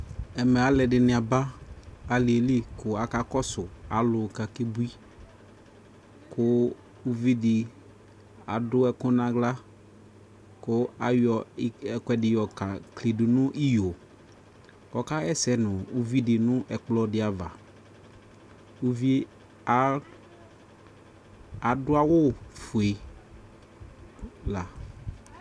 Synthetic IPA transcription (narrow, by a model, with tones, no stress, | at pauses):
ɛ˨mɛ˨a˨lɛ˨dɪ˨nɪ̃˨a˨ba˦a˨lɪ˨e˨li˦kʊ˨a˨ka˦kɔ˦sʊ˨a˨˦lʊ˨ka˨kɪ˦bu˦i˦ | kʰʊ˦ | u˦vi˦dɪ˨ | a˨dʊ˦ɛ˦kʊ̃˦nã˨ɡla˦ | kʊ˦a˨jɔ˨˦ɛ˨kɛ˨dɪ˨jɔ˨ka˨kle˨dʊ˨nʊ̃˦ʔi˦jo˨ | kɔ˨ka˦ɛ˦sɛ˦nʊ̃˨u˦vi˦dɪ˨nʊ̃˦ʔɛ˨k͡plɔ˦dɪ˨a˨va˨ | u˦vi˦˨˦ | a˨dʊ˦a˦wʊ˦fʊ˨e˨ | la˨